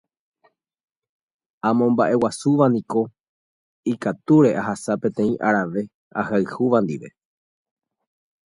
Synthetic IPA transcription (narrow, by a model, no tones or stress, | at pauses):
ãmõ̞mbaʔe̞wasuʋanĩko̞ | ikat̪uɾe̞ʔaɦasapẽ̞t̪ẽ̞ĩʔaɾaʋe̞ | a̰haɨhuʋãnd̪iʋe̞